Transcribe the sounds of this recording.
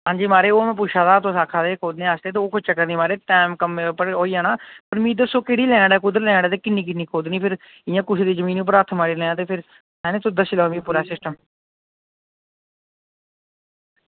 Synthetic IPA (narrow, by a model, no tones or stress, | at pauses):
ɦãːɲd͡ʒiːmaːɾeːoːmɛ̃ːp̬ʊt͡ʃʰaːt̪aːt̪õːsaːkʰaːd̪eːkʰoːd̪nẽːaːsd̪eːt̪eːoːkʰʊt͡ʃəkːəɾniːmaːɾeːʈɛːmkəmːepəɽoːiːãːnãːpəɾmĩːd̪əsõːkeɽiːlɛ̃ːɳɽɛːkʊd̪əɾlɛ̃ːɳɖaːt̪eːkɪnːĩːk̬ɪnːiːkʰoːd̪nĩːpʰɪɾ | ɪjãːkʊt͡ʃʰed̪eːzəmĩːnːʊp̬ːəɾət̪ʰːmaːɾiːlɛːãːt̪eːpʰɪɾ | ɛːneːt̪od̪əsiːlaːõːʋiːpuːɾaːsɪsʈəm